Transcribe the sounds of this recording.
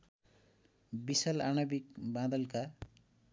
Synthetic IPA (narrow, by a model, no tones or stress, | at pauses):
bisʌlanʌbikbãd̪ʌlka